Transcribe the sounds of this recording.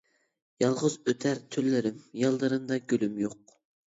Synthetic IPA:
jɑlˠʁʊzøt̪ʰæɾt̪ʰylːɪɾɪmjɑlˠd̪ɨɾɨmd̪ɑɡʲølymjoq

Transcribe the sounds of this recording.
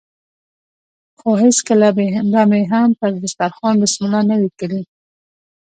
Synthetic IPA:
xoɦeskəlabeand̪ameɦamt̪əɾd̪ɪst̪aɾxɑnd̪ɪsmʊnanawikəli

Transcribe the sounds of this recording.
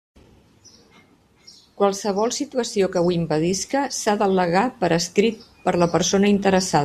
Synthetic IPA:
kwalˠsəβɔlˠsit̪uəsiokəwimpəðiskəsaðələɣapəɾəskɾit̪̚pəɾləpəɾsonəint̪əɾəsað

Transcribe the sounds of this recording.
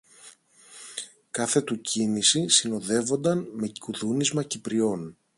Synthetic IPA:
kɐθe̞t̪ucinisisino̞ðe̞vo̞nd̪ɐnme̞kuðunizmɐcipɾio̞n

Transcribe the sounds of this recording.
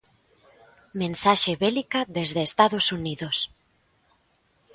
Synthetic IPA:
mẽnsaʃeβɛlikaðezðeːst̪aðosuniðos

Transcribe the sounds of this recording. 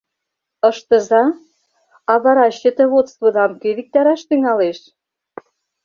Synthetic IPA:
ɤ̆ʃt̪ə̆zɑ | ɑβɑɾɑɕə̆t̪ə̆βot̪t͡st̪βɤd̪ɑmkøβik̚t̪ɑɾæʃt̪yŋɑleʃ

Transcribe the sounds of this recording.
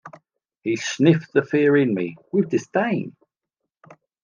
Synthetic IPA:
hisnɪfðəfɪəɹɪ̃nmḭwɪðdɪstẽɪ̃n

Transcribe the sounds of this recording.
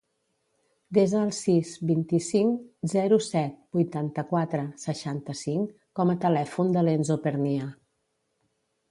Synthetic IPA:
d̪ezəːlˠsizbint̪isiŋzɛɾusɛt̪̚bujt̪ant̪əkwat̪ɾəsəʃant̪əsiŋ | kɔmət̪əlɛfund̪əlenzopəɾnia

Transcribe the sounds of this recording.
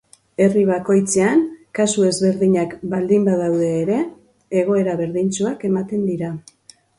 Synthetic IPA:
e̞riβ̞ako̞jt͡seankasue̞zβe̞ɾðiɲakbald̪imbaðawð̞e̞ːɾe̞ː | ɣ̞o̞e̞ɾaβe̞ɾðint͡suake̞mat̪e̞nd̪iɾa

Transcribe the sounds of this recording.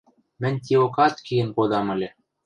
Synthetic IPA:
mɘ̆nʲt̪ʲiokɑt̪kʲiɘ̆nkod̪ɑmɘ̆lʲĕ

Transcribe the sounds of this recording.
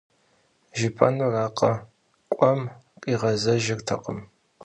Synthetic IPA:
ʒɪpʰɐnuraːqʰʼɐ | kʷʼɐmqʼiːʁɐzɐʒɪrtʰɐ̰qʼəm

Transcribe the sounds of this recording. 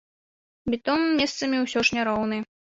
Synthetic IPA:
bʲit̪ɔmːʲɛst̪sɐmʲiwsʲɔʂnʲaɾɔwnɨ

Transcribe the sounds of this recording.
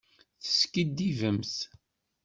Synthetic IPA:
θə̥skid̪ːivəmθ

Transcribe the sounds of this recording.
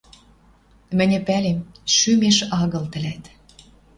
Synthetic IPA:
mɘ̆nʲɘ̆pælemʃymeʃɑɣɤ̆lt̪ɘ̆læt̪

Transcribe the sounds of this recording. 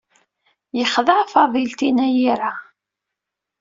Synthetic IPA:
jəχðəʕfɑðˤilt̪inæjiɾa

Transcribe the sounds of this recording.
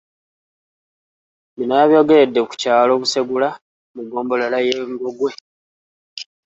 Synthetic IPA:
minaːβjo̞ːɡe̞ɾe̞dːe̞ku̥caːlo̞ːβuseɡula | muɡo̞ːmbo̞lalajeŋɡo̞ɡwe̞

